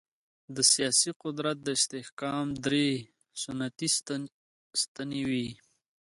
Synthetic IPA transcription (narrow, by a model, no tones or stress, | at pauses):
d̪əsijɑsiqʊd̪ɾat̪̚d̪əɪst̪ɪhkɑːmd̪ɾe | sʊnat̪i | st̪anewi